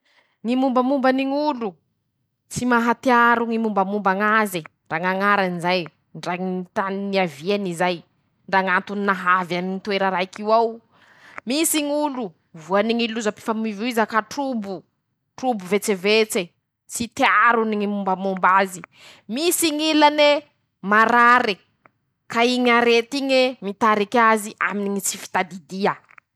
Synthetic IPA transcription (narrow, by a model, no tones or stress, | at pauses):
ŋimumbamumbaniŋulu | t͡simaɦat̪iaɾuŋimumbamumbaŋaziɳɖ͡ʐaŋaŋaɾanizaj | ɳɖ͡ʐaŋit̪anniavianizaj | ɳɖ͡ʐaŋat̪uninaɦavjaninit̪weɾaɾaikiwaw | misiŋulu | vuaniŋiluzapi̥famiviizakaʈ͡ʂubu | ʈ͡ʂubuvet͡sevet͡se | t͡sit̪iaɾuniŋimumbamombazi | misiŋilane | maɾaɾi | kaiɲaɾet̪iɲemit̪aɾikaziʔa̰miniŋit͡sifi̥t̪ad̪id̪iə